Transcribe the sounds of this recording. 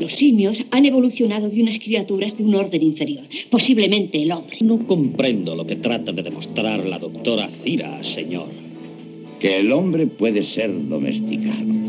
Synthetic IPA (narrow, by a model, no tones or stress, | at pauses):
losimjosane̞β̞o̞luθjo̞nað̞oðunaskɾiat̪uɾazðeunoɾðeniɱfeɾjoɾpo̞siβle̞mẽ̞nt̪eːlombɾenoko̞mpɾe̞nd̪oloket̪ɾat̪aðeðemost̪ɾaɾla̰ðok̚t̪oɾaθiɾa̰se̞ɲo̰ɾ | keːlombɾepweðeseɾðo̰mḛst̪ikano